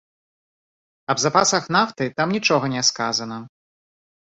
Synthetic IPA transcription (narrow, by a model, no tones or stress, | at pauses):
ɐbzapasɐxnaft̪ɨt̪amnʲit͡ʂɔɣɐnʲɛskazɐnɐ